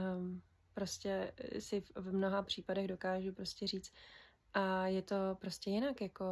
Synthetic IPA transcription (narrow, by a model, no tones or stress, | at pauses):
pɾo̞scɛsɪvvmno̞ɦapr̝̥iːpadɛɣdo̞kaːʒupɾo̞scɛriːt͡st̪ | ʔajɛt̪o̞pɾo̞scʲɛjɪnakjako̞